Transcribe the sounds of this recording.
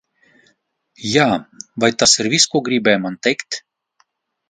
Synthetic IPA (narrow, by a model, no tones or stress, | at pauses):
jaːvajt̪asiɾvʲiskuɔɡɾibʲɛjmant̪ʲɛjkt̪